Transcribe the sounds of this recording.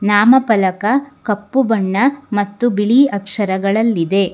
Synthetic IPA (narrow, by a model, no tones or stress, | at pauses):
naːmɐpɐlɐkɐkɐpːubɐɳːɐmɐt̪ːubiɭiɐkʂɐɾɐɡɐɭɐlːid̪e̞